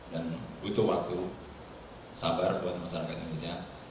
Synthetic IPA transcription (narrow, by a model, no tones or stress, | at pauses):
danbut̪uwak̚t̪u | sabarbuat̪̚masaɾakat̪innisia